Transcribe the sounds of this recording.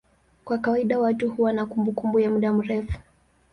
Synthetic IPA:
kwakawaiɗawatuhuwanakumbukumbujamuɗam̩ɾɛfu̥

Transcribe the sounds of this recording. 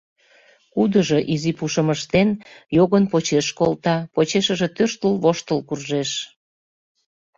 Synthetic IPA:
kud̪əʒo̽ʔizipuʃəməʃt̪enjoɣənpot͡ɕeʃkolt̪ɑpot͡ɕeʃəʒet̪øʃt̪əlβoʃt̪əlkurʒeʃ

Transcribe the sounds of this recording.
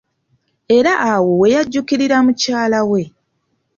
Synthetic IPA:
e̞ɾaʔːwo̞we̞jaɟːukiɾiɾamucaːlawe̞

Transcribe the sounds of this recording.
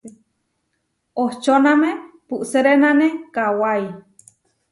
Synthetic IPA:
oht͡ʃonamepuʔseɾenanekawai

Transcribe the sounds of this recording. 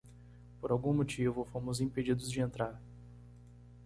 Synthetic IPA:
poɾawɡũmot͡ʃivʊfõmʊzĩped͡ʒid̪ʊzd͡ʒɪẽnt̪ɾaɾ

